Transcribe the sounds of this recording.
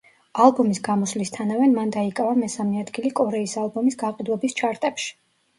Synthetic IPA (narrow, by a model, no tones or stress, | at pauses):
alˠbɔmisɡamɔslist̪ʰanavɛmand̪aikʼavamɛsamɛad̪ɡilikʼɔɾɛisalˠbɔmisɡaqʼid̪wɛbist͡ʃʰaɾt̪ʼɛpʃi̥